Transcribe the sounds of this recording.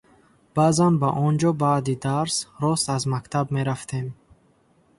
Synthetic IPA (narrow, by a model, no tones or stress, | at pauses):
b̥azanbaʔɔnd͡ʒɔbaːd̪id̪aɾsɾɔst̪azmakt̪ʰabme̞ɾaft̪ʰe̞m